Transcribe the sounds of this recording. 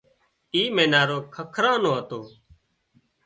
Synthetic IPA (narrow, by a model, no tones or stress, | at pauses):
iːmẽːnaːɾoːkʰəkʰɾãːnoːɦət̪oː